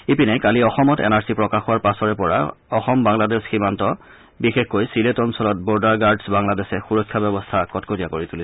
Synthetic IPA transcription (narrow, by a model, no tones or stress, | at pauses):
ipinɛkaliɔxɔmɔtɛ̰naɹsipɹɔkaxɔwaɹpasɔɹɛpɔɹa̰ɔxɔmbaŋladɛsximantɔ | bixexkojsiletɔnsɔlɔt̚bɔɹdaɹɡaɹdsbaŋladɛsɛxuɹɔkʰːjabɛbɔstʰakɔtkotijakoɹituli